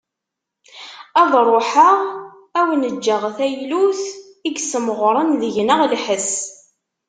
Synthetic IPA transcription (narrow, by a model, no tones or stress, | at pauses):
æðˤrˤoħaʁ | æwnəd͡ʒːəʁθæjluθ | iɡsəmʁɾˤənðəʝnəʁlħəs